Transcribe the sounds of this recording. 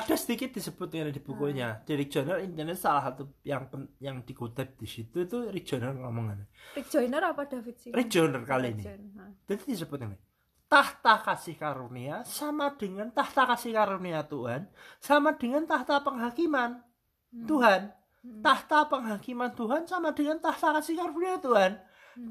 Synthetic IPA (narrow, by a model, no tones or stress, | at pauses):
ad̥a̤səd̪ikɪt̪̚d̥isəb̥ʊt̪̚ŋned̥ib̥ukoɲad̥iɾik̚ʒ̥ɔ̤nərint̪ənɛssalaɦat̪ujaŋpəjaŋd̪̥i̤kut̪ɛb̚d̪̥isit̪ut̪urik̚ʒ̥o̤nərŋɔmɔŋaned͡ʒnəraadafri̥ʒ̥o̤nərkalinḭd͡ʒ̥ad̪id̪̥isəb̥ʊt̪̚ŋənɪ | t̪aht̪akasɪhkaɾuniasamad̥əŋant̪aht̪akasɪhkaɾuniat̪uɦansamad̥ə̤ŋant̪aht̪apəŋɦakiman | t̪uɦan | t̪aht̪apəŋɦakimant̪uɦansamad̥əŋant̪aht̪akasɪhkaɾuniat̪uɦan